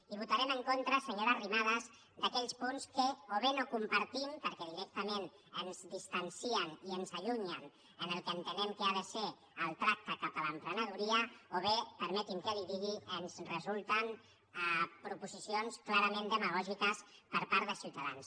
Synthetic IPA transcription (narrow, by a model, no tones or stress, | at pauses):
iβ̞ut̪aɾɛməŋkont̪ɾəsəɲoɾərimaðəz | d̪əkɛʎspunskəoβenokumpəɾt̪impəɾkɛðiɾɛk̚t̪əmen | ənzðist̪ənsiəniənzəʎuɲən | ənəlˠkəːnt̪ənɛmkəaðəse | əlˠt̪ɾak̚t̪əkapələmpɾənəðuɾiəoβepəɾmɛt̪imkəliðiɣiənzrəzulˠt̪ən | əpɾupuzisionsklaɾəmẽnd̪əməɣɔʒikəspəɾpaɾðəsiwt̪aða̰ns